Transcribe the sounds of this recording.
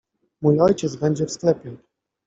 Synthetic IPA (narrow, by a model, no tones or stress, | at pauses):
mujɔjt͡ɕɛt̪zbɛɲd͡ʑɛfsklɛpʲjɛ